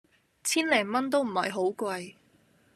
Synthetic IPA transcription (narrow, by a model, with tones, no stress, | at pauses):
t͡sʰiː˥nlɛː˨˩ŋmɐ˥nt̪̬o˥wm̩˨˩hɐ̰˨jɦo˨˥wkʷwɐ˧j